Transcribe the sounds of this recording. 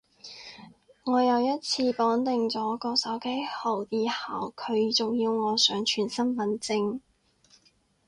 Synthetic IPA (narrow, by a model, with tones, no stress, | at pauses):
ŋɔː˨˧jɐ˨˧wjɐ˥t̚t͡sʰiː˧pɔː˨˥nt̪ɪ˨ŋt͡sɔː˨˥kɔː˧sɐ˨˥wke˥jhɐ˨˩wjiː˨˧haː˨˩wkʰɵ˨˧ɥt͡so˨wjiː˧wŋɔː˨˧sœː˨˥ŋt͡ʃʰyː˨˩nsɐ˥nmɐ˨˥nt͡sɪ˧ŋ